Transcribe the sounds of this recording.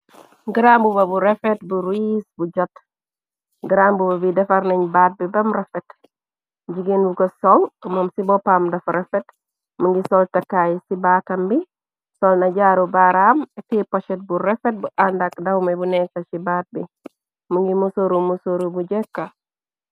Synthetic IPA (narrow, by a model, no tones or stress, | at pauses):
ɡiɾambubɐbuɾefetbuɾisbuɟɔt | ɡiɾambubabidɛfaɾneɲbaːt̚bibɐmɾefet | ɟiɡinbukɐsɔlmomsibɔpaːmdɐfɾefet | muŋɡisɔltɐkajsibaːtɐmbi | sɔlnaɟaɾubaɾamtipoʃet̚buɾefet̚buʔandakdɐwmebunɛkɐt͡ʃibaːt̚bi | muŋɡimusoɾumusoɾubuɟekːa